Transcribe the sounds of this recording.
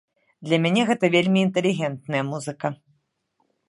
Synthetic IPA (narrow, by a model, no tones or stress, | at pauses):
d̪lʲɐmʲanʲɛɣɛt̪ɐvʲelʲmʲiːnt̪ɛlʲiɣʲɛnt̪̚nɐjɐmuzɨkɐ